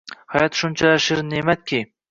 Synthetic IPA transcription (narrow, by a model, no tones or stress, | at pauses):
hajɒt̪ʃʊnt͡ʃʰalaʃɪɾnemat̪̚kʲʰi